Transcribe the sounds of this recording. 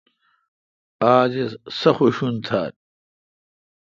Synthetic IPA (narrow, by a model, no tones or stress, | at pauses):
aːd͡ʑesɐxuɕunt̪ʰaːt̚